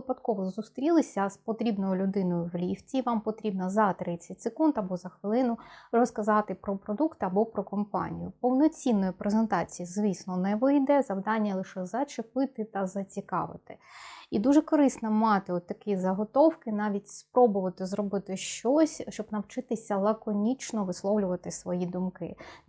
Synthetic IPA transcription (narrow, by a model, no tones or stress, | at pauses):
ɪpɐd̪kɔʋɔzust̪ɾʲilˠɪsʲɐspɔt̪ɾʲibnɔjʊlʲʊd̪ɪnɔjʊwlʲiftʲiʋɑmpɔt̪ɾʲibnɐzɐt̪ɾɪt͡sʲːɐtʲsekundt̪ɐbɔzɐxʋɪlˠɪnʊrɔskɐzɑt̪ɪpɾɔpɾɔd̪ukt̪ɐbɔpɾɔkɔmpɑ̰nʲḭjʊpɔwnɔt͡sʲinːɔjipɾezent̪ɑt͡sʲijizʋʲisnɔnɛʋɪjd̪ɛzɐwd̪ɑnʲːɐlˠɪʃɛzɐt͡ʃɪpɪt̪ɪt̪ɐzɐt͡sʲikɑ̰ʋɪ̰t̪ɪid̪uʒɛkɔɾɪsnɐmɑt̪ɪɔt̪ːɐkizɐɦɔt̪ɔwkɪnɑʋʲitʲspɾɔbʊʋɐt̪ɪzɾɔbɪt̪ɪʃt͡ʃɔsʲʃt͡ʃɔbnɐwt͡ʃɪt̪ɪsʲɐlˠɐkɔnʲit͡ʃnɔʋɪslˠɔwlʲʊʋɐt̪ɪsʋɔjid̪ʊmkɪ̰